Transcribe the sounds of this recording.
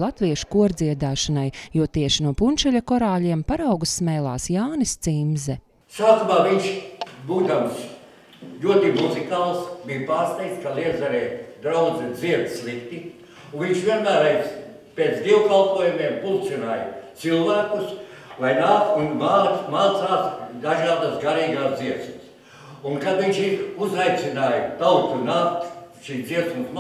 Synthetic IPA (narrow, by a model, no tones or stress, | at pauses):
lˠat̪viɛʃu̥kuɔɾd̪ziɛd̪aːʃanajjuɔt̪iɛʃinuɔpunʲt͡ʃɛʎʲɐkɔɾaːʎʲiɛmpaɾawɡusːmɛːlˠa̰ːsjaːnist̪simzɛ | saːkumaːʋiɲʃbuːd̪ams | lʲuɔt̪imuzikaːlˠsbijpaːɾst̪ɛjt̪skaliɛzaɾɛːd̪ɾawd̪zɛd̪ziɛd̪slˠikt̪i | unviɲʃʋʲiɛnmæːɾajs | peːt̪sd̪ʲiɛwkalˠpuɔjumiɛmpulˠt̪sinaːjt̪silˠvæːkus | lajnaːkt̪unmaːmaːt̪saːsd̪aʒaːd̪asɡaɾiːɡaːsd̪ziɛsms | unkad̪viɲʲʃiɾuzajt̪sʲinaːjt̪awt̪unaːkt̪ʃiːsd̪ziɛsumsm